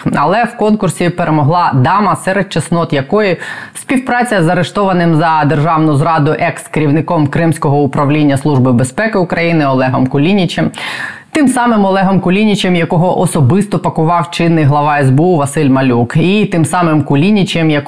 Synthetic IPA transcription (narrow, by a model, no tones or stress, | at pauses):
ɐlˠɛwkɔnkʊrsʲipeɾʔemɔɦlˠɑd̪ɑmɐsɛɾet̪̚t͡ʃɐsnɔt̪jɐkɔjɪsʲpʲiwpɾɑt͡sʲɐzɐɾeʃt̪ɔʋɐnɪmzɐd̪erʒɑwnʊzɾɑd̪ʊʔɛkskeɾʲiwnɪkɔmkɾɪmsʲkɔɦɔʊpɾɐʋlʲinʲːɐslˠuʒbɪbespɛkɪʊkɾɐjinɪɔlˠɛɦɔmkʊlʲinʲit͡ʃɛmt̪ɪmsɑmɪmɔlˠɛɦɔmkʊlʲinʲit͡ʃɛmjɐkɔɦɔʔɔsɔbɪst̪ɔpɐkʊʋɑwt͡ʃɪnːɪjɦlˠɐʋɑɛzbeuʋɐsɪlʲmɐlʲukit̪ɪmsɑmɪmkʊlʲinʲit͡ʃɛmjɐk